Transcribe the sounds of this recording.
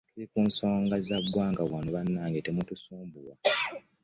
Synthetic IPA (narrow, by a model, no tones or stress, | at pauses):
tulikuːnso̞ːŋɡazaɡːwaːŋɡaβwanoβanːaːŋɡetemutusuːmbuwa